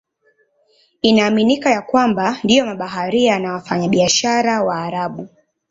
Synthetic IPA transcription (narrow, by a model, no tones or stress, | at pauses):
inaːminikajakwambandijɔmaɓaɦaɾianawafaɲaɓiaʃaɾawaːɾaɓu